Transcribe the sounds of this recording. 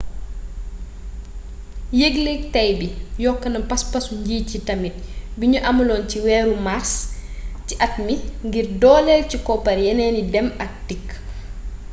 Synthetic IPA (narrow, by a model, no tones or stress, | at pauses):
jeɡlek̚tɐjbijɔkːɐnɐpɐspɐsuɲɟiːcitɐmit̚biɲuʔɐmulɔːnciwɛːɾumarstiʔɐtmiŋɡirdɔːlɛlcikɔpɐrjɐnɛːnidɛmɐk̚tikː